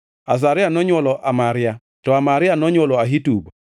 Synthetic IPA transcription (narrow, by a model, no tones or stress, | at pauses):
as̬aɾɪanɔɲwɔlɔʔamaɾɪa | tɔamaɾɪanɔɲwɔlɔaɦitub